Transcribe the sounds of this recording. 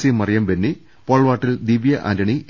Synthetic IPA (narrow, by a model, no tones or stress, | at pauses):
simɐrijɐmbenːi | poːɭʋaːʈːild̪iʋjɐʔɐ̰ɾɐɳi